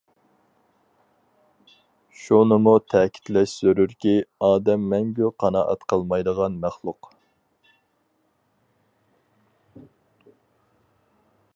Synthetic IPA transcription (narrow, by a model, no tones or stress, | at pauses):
ʃunɨmut̪ʰɛkʲʰi̥t̪lɛʃsøɾyɾkʲiɑːd̪ɛmːɛŋɡʲyqʰɑnɑ̰ːʔɑ̰t̪qʰɑlˠmɑjd̪əʁɑnmæχlˠʊq